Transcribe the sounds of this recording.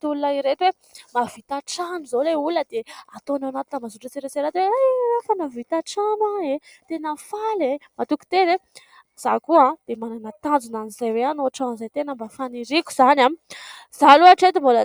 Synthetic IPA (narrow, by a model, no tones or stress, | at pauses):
t̪ulunaiɾet̪we | mavit̪aʈ͡ʂanizoleuləd̪̥eat̪onawnat̪i̥namazuʈ͡ʂət͡siɾeseɾat̪weajafanavit̪aʈ͡ʂamaet̪enafalemat̪uki̥t̪eze | z̥akuãd̪̥emananat̪and͡zunanizajweanoʈ͡ʂanizajt̪enəmbafaniɾiku̥z̥anamiz̥aluaʈ͡ʂet̪imbolə